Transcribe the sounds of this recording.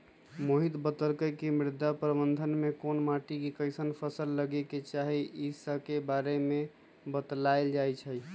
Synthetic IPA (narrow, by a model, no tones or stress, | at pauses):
moɦit̪bət̪əlkəkimɾɪd̪ʱapɾəbənd̪ʱənmekonmaʈikikəɪsənpʰəsəlːəɡeket͡ʃaɦiʔisəkebaɾeme | bət̪laeld͡ʒajt͡ʃʰəj